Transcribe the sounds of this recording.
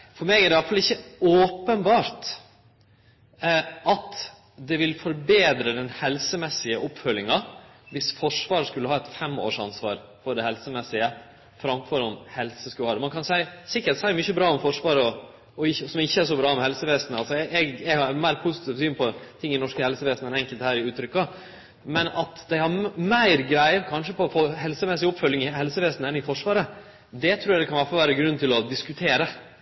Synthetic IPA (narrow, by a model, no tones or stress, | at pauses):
fɔɾmeɡæɾɖ̪ɛɑlt̪fɑlɪçːəoːpənbɑːɾt̪ | ʔɑt̪ | d̪ɛʋɪlfɔɾbeːd̪ɾəd̪ɛnhɛlsəmɛsːɪəʔɔpfœlːɪŋɑʋɪsfɔʂʋɑːɾəʂkʉlːəhɑːɛt̪fɛmːo̰ːʂɑ̰nsʋɑ̰ːɾ | fɔɾɖ̪ɛhɛlsəmɛsːɪə | fɾɑmfɔɾɔmhɛlsəskʉːhɑɾd̪mɑnkʰɑnsæɪsɪkːəʈsæɪmʏçəbɾɑːʊmfɔʂʋɑːɾəɔ | ɔɪçːəsɔmɪçːəæɾʂɔbɾɑːɔmhɛlsəʋeːsnəɑlsɔɛɛɡɛɡhɑɾmæɪɾpʰusɪ̥t̪ʰiːʋsyːnpʰɔt̪ʰɪŋːɪnɔʂkəhɛlsəʋeːsnəɛnɛŋkəlt̪hæːɾɪʉːt̪ʰɾʏkːɑ | mɛnɑt̪d̪ɛɪhɑɾmæɪɾɡɾæɪəkʰɑnʂəpʰɔɔfoːhɛlsəmɛsːɪɔpfœlːɪŋɪhɛlsəʋeːsnəɛnɪfɔʂʋɑːɾə | d̪ɛt̪ʰɾuːjæɡd̪ɛkʰɑnʋæɾfɑlʋæːɾəɡɾʉnːt̪ɪlɔd̪ɪskʉt̪ʰeːɾə